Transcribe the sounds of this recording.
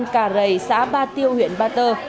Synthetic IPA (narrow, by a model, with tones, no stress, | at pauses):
nkaː˧˩zə˨˩jsa̰ː˧˥ɓaː˧t̪i˧əwhwḭ˧˨ənɓaː˧t̪əː˧˩